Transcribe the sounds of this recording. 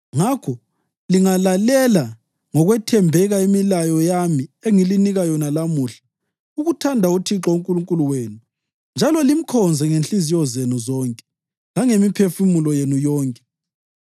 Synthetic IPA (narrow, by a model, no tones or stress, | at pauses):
ŋakʰɔ | liŋalalɛla | ŋɔɣwɛtʰɛmbʱɛɣaimilajɔjamieŋiliniɣajɔnalamuːɬḁ | uɣutʰandʱautʰiǁɔuŋkʼuluŋkʼuluweːnu | nd͡ʒʱalɔlim̩kʰɔnd͡zʱɛŋenɬizijɔzenuzɔːŋkʼɛ̥ | laŋemipʰefumulɔjenujɔːŋkʼɛ